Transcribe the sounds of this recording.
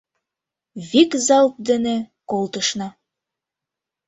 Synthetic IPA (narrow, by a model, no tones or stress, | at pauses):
βikzɑlt̪̚d̪ĕne | kolt̪əʃnɑ